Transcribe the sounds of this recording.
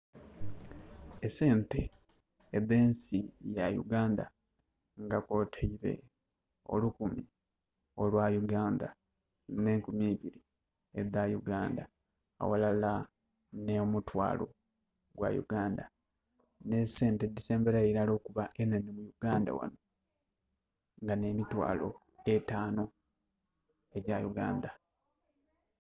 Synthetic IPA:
ese̞ːnte̞ː | ðe̞ːnsijajṵɡaːnda̰ | ŋɡako̞tʰeiɾe̞̰ | o̞̰lukumi | o̞lwajuɡaːnda | ne̞ːŋkumjiːβiɾi | edajuɡaːnda | a̰walala | nemutwa̰ːlo̞̰ | ɡwa̰jṵɡaːnda | ne̞seːntedise̞ːmbeɾaeiɾalo̞ːkuβaʔenenimujuɡaːnda̰wa̰no̞ | ŋɡane̞mitwa̰ːlo̞̰ | etaːno̞ | e̞ɟajuɡa̰ːnda

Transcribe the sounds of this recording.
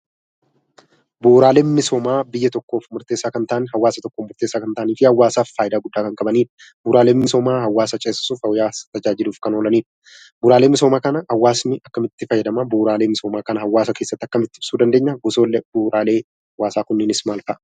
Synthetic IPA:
buːɾaːle̞ːnmɪsoːmaːbɪjːɐt̪ɔkːo̞ːfmʊɾt̪eːsːaːkɐnt̪aʔnɦɐwːaːsɐt̪ɔkːomʊɾt̪e̞ːsːaːkɐnt̪aːʔːniːfɪhɐwːaːsaːffaːjɪd̪aːɡʊd̪ːaːkɐŋkʼɐbɐniːɾ | buːɾaːle̞ːmmːɪso̞ːmaːhɐwːaːsɐt͡ʃʼeːsɪsuːfhɐwjaːst̪ɐd͡ʒaːd͡ʒɪluːfkɐnoːlɐniːɾ | buːɾaːle̞ːmɪso̞ːmaːkɐnɐhɐwːaːsnɪʔɐkːɐmɪt̪ːɪfɐjːɐd̪ɐmɐbuːɾaːle̞ːmɪsoːmaːkɐnɐhɐwːaːsɐkeːsːɐt̪ːɐkːɐmɪt̪ːɪɪb̥suːd̪ɐnd̪eːɲːɐɡʊso̞ːlːɛbuːɾaːle̞ː | hɐwːaːsaːkʊnːɪnɪsmaːlkɐʔɐ

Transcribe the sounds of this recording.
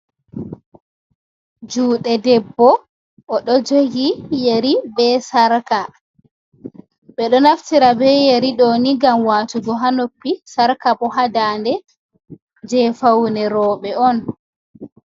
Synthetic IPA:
d͡ʒuːɗɛdɛbːɔ | ʔɔɗɔd͡ʒoɡijeɾibɛsaɾka | ɓɛɗɔnaftiɾabɛjeɾiɗoːniɡamwaːtuɡɔɦanopːisaɾkaɓɔɦadaːndɛ | d͡ʒɛfawnɛɾɔːɓɛɔn

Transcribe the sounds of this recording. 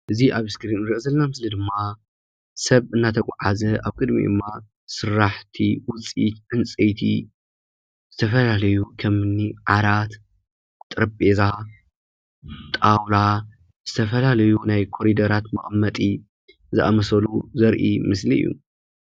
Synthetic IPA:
ʔɨziʔaβɨskɾinɾɨʔzɐlnamɨslid̪ɨmːa | sɐβɨnːat̪ʰɐkʷʼaʕazɐaβkʼɨd̪mḭd̪ɨmːa | sɨɾːaħt̪ʰiwʊt͡sʼḭt̪ʕɨnt͡sʼejt̪ʰḭ | z̥ɨt̪ʰɐfɐlalɐjukʰɐmɨnːiʕaɾat̪ | t̪ʼɨɾɨbʼeza | t̪ʼawla | z̥ɨt̪ʰɐfɐlalɐjunajkʰo̞ɾid̪ɐɾat̪mɨχʼmːɐt̪ʼi | zɨʔa̰mɐsɐluzɐɾʔḭmɨsliɨ̰jːṵ

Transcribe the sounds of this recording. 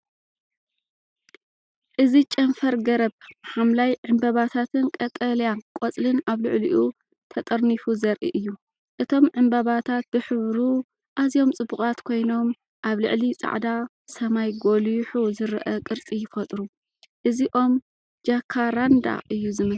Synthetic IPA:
ʔɨzit͡ʃʼɐnfɐɾɡɐɾɐβħamlajʕɨmbɐβat̪ʰat̪ʰɨnkʼɐt̪ʼɐljakʼot͡sʼlɨnaβlɨʕliʔu | t̪ʰɐt̪ʼɐɾnifuzɐɾʔḭʔɨjːu | ʔɨt̪ʰo̞mʕɨmbɐβat̪ʰat̪̚bɨħɨβɾu | ʔazijo̞mt͡sʼɨbːuχʼat̪kʰo̞jno̞m | ʔaβlɨ̰ʕlit͡sʼa̰ʕd̪a | sɐmajɡoljħuzɨɾʔɐkʼɨɾt͡sʼijɪfɐt̪ʼɾu | ʔɨziʔo̞m | d͡ʒakʰːaɾand̪a̰ʔɨjːuzɨmɐ

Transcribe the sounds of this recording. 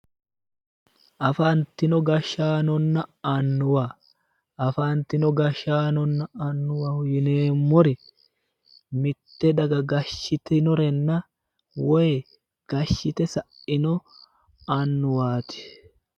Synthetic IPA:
ʔɐfant̪ɪnɔɡɐʃːaːnɔnːɐɐnːʊwɐ | ɐfaːnt̪ɪnɔɡɐʃaːnɔnːɐɐnːʊwɐhʊjɪneːmːɔɾɛ | mɪt̪ːɛd̪ɐɡɐɡɐʃːɪt̪ɪnɔɾɛnːɐ | wɔj | ɡ̥ɐʃːɪt̪ɛsɐʔɪnɔ | ɐnːʊwaːt̪ɪ̥

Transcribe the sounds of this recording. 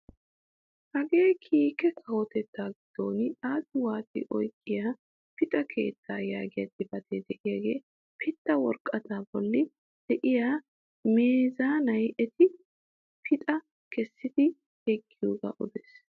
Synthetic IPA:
hɐɡe̞ːkʰiːkɛkʰɐwɔt̪ɛt̪ːaːɡɪd̪̥oːnaːsɪwaːt̪ɪ̰ʔɔjkʼːɪjaː | pɪt̪ʼɐkʰe̞̰ːt̪ʰːaːjaːɡɪjɐt̪ːɪbɐt̪ʰeːd̪ɛʔɪjaɡe̞̰ː | pʰɪt̪ːɐwɔɾkʼːɐt̪aːbɔlːɪ | d̪̥ɛʔɪjaː | meːzaːnɐjɛt̪ʰɪ | pʰɪt̪ʼɐ | kʰɛsːɪt̪ɪ | hekːɪjoːɡɐ̰ʔʊd̪es

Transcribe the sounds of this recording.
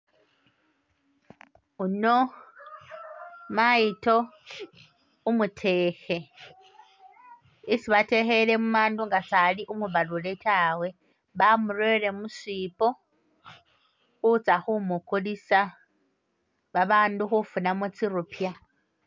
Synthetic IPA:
uno | majito̞ | umutʰeːxe | isiβatexelemumaːnduŋɡasaliʔumuβaluletʰawe̞ | βamuɾwele̞musiːpo | xut͡saxumukulisa | βaβaːnduxufunamut͡siɾupja

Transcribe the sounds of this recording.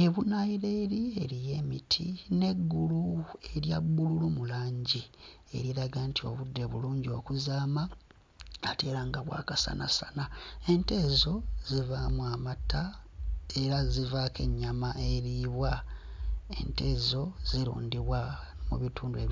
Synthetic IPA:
eβunaiɾe̞ːɾie̞ɾije̞mitʰine̞ɡːulue̞ɾjabːululumulaːɲɟi | e̞̰ɾiɾaɡantʰio̞̰βudːe̞βuluːɲɟio̞kuzaːma | ate̞ːɾaŋɡaβwa̰ːkasa̰nʔa̰sanae̞nte̞ːzo̞zivamuamatʰːa | e̞ɾazivake̞ɲːamaʔe̞ɾiːβwa | e̞̰nte̞ːzo̞z̥iɾṵːndiβwa | mṵβitʰuːndueβ

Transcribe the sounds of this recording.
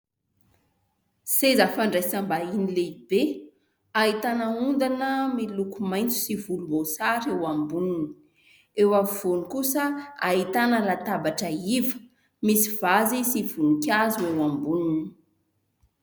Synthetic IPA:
sezafaɳɖ͡ʐasambainileibe | ait̪anəund̪anəmilukumaj̃nt͡su̥sivulumbosaɾewambunini | ewaviv̥onikusəait̪anəlat̪abaʈ͡ʂəivə̥ | misiv̥azisiv̥unikʲazuewambunini̥

